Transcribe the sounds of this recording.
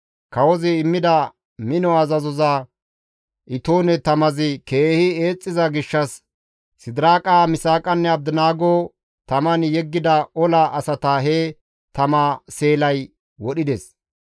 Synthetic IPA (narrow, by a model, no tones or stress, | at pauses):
kɐwɔzɪɪmːɪd̪ɐ | mɪnɔɐzɐzɔza | ʔɪt̪oːnɛt̪ɐmɐzɪke̞ːhɪe̞ːt͡sʼːɪzɐɡɪʃːɐsː | ɪd̪ɪɾaːkʼaːmɪsaːkʼɐnːɛɐb̚d̪ɪnaːɡoː | t̪ɐmɐnjɛɡːɪd̪ɐɔlɐʔɐsɐt̪aɦɛ | t̪ɐmaseːlɐj | wɔɗɪd̪ɛs